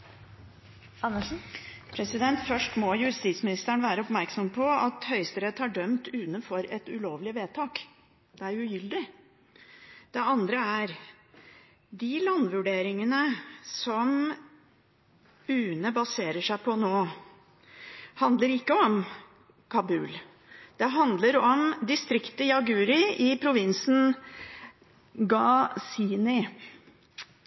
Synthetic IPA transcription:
ɑnːəʂ̩pʰɾɛsɪd̪ɛnt̪fœʂʈmɔjʉst̪iːt̪smɪnɪst̪æɳʋæːɾəɔpmæɾksɔmpʰɔɑt̪hœʏst̪əɾɛt̪hɑɖœmt̪ʉːt̪nənfɔɾɛt̪ʉloːʋlɪʋeːt̪ʰɑːk | d̪̥ɛæɾjʉjʏld̪ɪ | d̪̥ɛɑnd̪ɾəæɾ | d̪ɪlɑnːʋʉɖeːɾɪŋənəsɔm | ʉːnəbɑseːɾəʂæɪpʰɔnoː | hɑnd̪ləɾɪkːəɔm | kʰɑbʉ̰ːl | d̪̥ɛɦɑnd̪ləɾɔmd̪ɪst̪ɾɪkt̪əjɑɡʉːɾɪɪpʰɾʊʋɪnsn̩ | ɡɑsiːnɪ

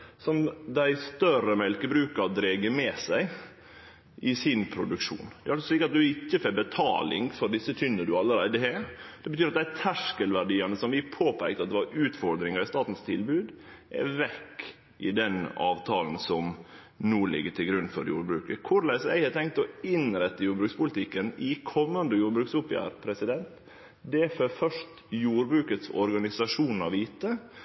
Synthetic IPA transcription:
sɔnd̪æɪst̪œɾəmɛlkəbɾʉːkɑɾd̪ɾeːɡəmɛːsæɪ | ʔɪsɪnpʰɾʊd̪ʉkʃṵːnd̪ɛ̰ɾɑlsɔsliːkəɾɑt̪̚d̪ʉɪcːəfɛbɛt̪ʰɑ̰ːlɪ̰ŋfɔɾɖ̪ɪsːət̪ʰʏnːəɖʉɑlːəɾæɪd̪əhed̪̥ɛbət̪yːɾɑt̪̚d̪æɪt̪ʰæʂkəlʋæɾɖiːɑnəsɔmʋɪpʰoːpʰæɪk̚t̪əɑt̪d̪ɛʋɑɾʉːt̪fɔɾd̪ɾɪŋɑɾɪst̪ɑːt̪n̩st̪ʰɪlbʉːd̪ | ʔɛ̰ʋɛkː | ʔɪ̰d̪ɛnɑ̰ːʋt̪ʰɑːln̩sɔm | nuːlɪ̰ɡːəʈʰɪlɡɾʉnːfɔɾjṵːɾbɾʉːkəkʰʊɾlæɪsæ̰ɪhɑt̪ʰɛŋk̚t̪ɔɪnɾɛt̪ːəjuːɾbɾʉːkspʊlt̪ʰɪkːənɪkʰɔmːənd̪əjuːɾbɾʉːksʊpjæ̰ːɾpʰɾɛsɪd̪ɛnt̪ | d̪ɛføfœʂt | juːɾbɾʉːkət̪sɔ̰ɾɡɑnɪsɑʂuːnn̩ɑʋiːt̪ə

